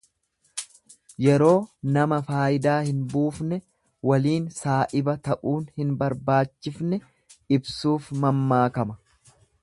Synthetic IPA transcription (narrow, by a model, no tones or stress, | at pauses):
jɛɾo̞ːnɐmɐfaːʔɪd̪aːhɪnbuːfnɛ | wɐliːnsaːʔɪbɐt̪ɐʔuːnhɪnbɐɾbaːt͡ʃːɪfnɛ | ɪbsuːfmɐmːaːkɐmɐ̥